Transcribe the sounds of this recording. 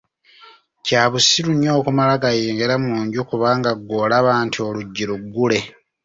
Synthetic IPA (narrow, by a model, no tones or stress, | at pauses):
caːβusiluɲjo̞ːkumalaɡajeːŋɡeɾamuːɲɟukuβaːŋɡaɡoːlaβaːntʰio̞luɟːiɾuɡːule̞